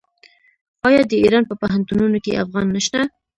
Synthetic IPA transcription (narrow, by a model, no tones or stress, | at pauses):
ɑjɑd̪əiɾɑnpəpaɦant̪ununokeʔafɣɑnːəʃt̪a